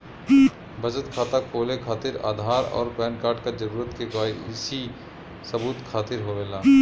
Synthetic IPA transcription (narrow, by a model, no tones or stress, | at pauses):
bʱɐd͡ʒət̪kʰaːt̪akpoːlekʰaːt̪ɪɾa̰ːd̪ʱaːɾɔ̰ːɾplɛːnkaːɾʈkad͡ʒɐɾuːɾət̪kekaːiɪsi | sɐbuːt̪kʰaːt̪ɪɾɦoɾeːlaː